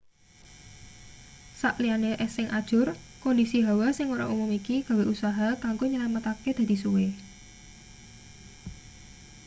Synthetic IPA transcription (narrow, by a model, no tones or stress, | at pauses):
saʔlianeʔɛsɪŋʔad̥ʒ̥ʊrkɔndisiɦawasɪŋuɾa̰ʔumumikiɡ̥a̤weʔusaɦat̪aŋɡuɲəlamət̪aked̪̥a̤d̪̥i̤suwe